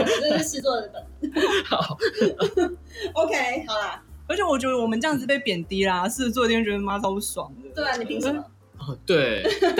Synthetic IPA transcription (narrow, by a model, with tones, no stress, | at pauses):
ʂɻ̩˥˧t͡swɔ˥˩ə˧˩d̪ə˨˩xɑ˨˩˦ | o˧ʊkʰe˥ɪhɑ˨˩ʊlə˦wt͡ɕʰɛ˧˦wɔ˨˩t͡ɕɥɛ˧˥d̪ə˧wɔ˨˩mə˦nʈ͡ʂɤ˥˧jɑ˥˧ŋd͡z̩ɹ̩˧˩pe˥˩ɪpjɛ˨˩nt̪i˧˥la˧s̩˥˩˥t͡swɔ˥˧t̪ʰjɛ˥n˥t͡ɕɥɛ˥˩˥ma˥t͡sɑ˥˧ʊpu˥˩swɑ˨˩˦ŋt̪a˥˩ni˨˩pʰi˧˥ŋ˥˨˦ | ɔ˥˧˩t̪we˥˩ɪ